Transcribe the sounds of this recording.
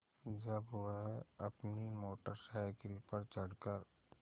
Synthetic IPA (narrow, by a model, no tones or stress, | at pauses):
d͡ʒəbʋəɦɐpnimoːʈəɾsajkɪlpəɾt͡ʃəɽkəɾ